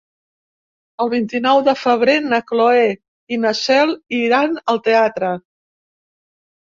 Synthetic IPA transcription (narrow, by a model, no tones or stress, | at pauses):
əlˠβint̪inɔwðəfəβ̞ɾenəkloe | inəsɛliɾanəlˠt̪eat̪ɾə